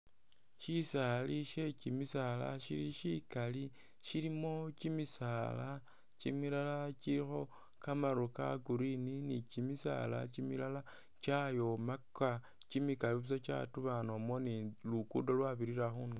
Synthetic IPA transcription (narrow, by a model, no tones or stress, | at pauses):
ʃisaːliʃe̞cimisala̰ʃiɾiʃikali | ʃiɾimo̞t͡ʃimisala | t͡ʃimilalaciɾixo̞ | kamaɾuka̰ɡuɾininit͡ʃimisa̰la̰t͡ʃimilala | t͡ʃajo̞maka | t͡ʃimikaliβus̬at͡ʃa̰tuβanomo̞nilukṵdolwaβiɾiɾaxuno